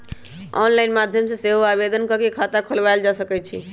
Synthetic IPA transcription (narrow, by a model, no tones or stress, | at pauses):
ɔ̰nlajnmad̪ʱjəmsẽseɦoabed̪ənkəkekʰat̪akʰolbajld͡ʒasəkɛt͡ʃʰḭ